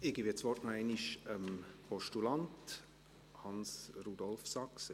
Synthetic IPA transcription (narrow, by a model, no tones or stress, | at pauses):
ɪɡibet͡ssʋɔrtnɔɛɪniʃəmpʰɔʃtulɑnt | hɑnsrud̪ɔlfsɑks